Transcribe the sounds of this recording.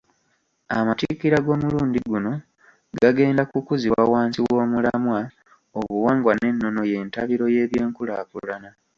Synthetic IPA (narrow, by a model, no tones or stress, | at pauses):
a̰matikiɾaɡo̞ːmuluːndiɡuno̞ | ɡaɡe̞ːndakukuziwawaːnsiwo̞ːmulamwa | oβuwaːŋɡwane̞nːo̞no̞je̞ːntaβiɾo̞je̞ːβje̞ːŋkulakulana